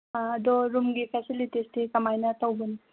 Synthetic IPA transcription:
ɐd̪ɔɾumɡipʰesilitistʰikɐmajnɐtɐwbuni

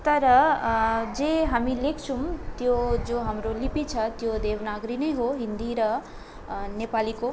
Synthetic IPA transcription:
t̪ɐɾɐ | d͡ʒeɦəmilekʰt͡ʃʰumt̪jod͡ʒoɦɐmɾolipit͡ʃʰɐt̪jod̪eːʋnaɡɾinejɦoɦind̪iɾə | nepaliko

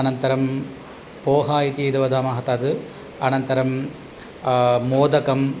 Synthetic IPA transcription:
ɐnɐnt̪ɐɾɐm | poːɦaːjit̪iid̪ɐʋɐd̪aːmaːɦɐt̪aːðɯ | ɐnɐnt̪ɐɾɐm | oːd̪ɐkɐm

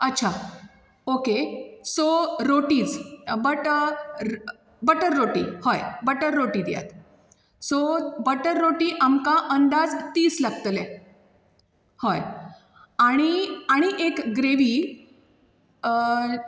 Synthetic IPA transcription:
ətːɕʰa | okesoɾoʈiːt͡sbəʈ | bəʈəɾːoʈḭhɔjbəʈəɾːoʈid̪ja̰t̪ | sobəʈəɾːoʈiːʔamkaʔənd̪ad͡zt̪iːslaɡt̪le | hoj | aɽ̃iaɽ̃iʔekɡɾeʋiː

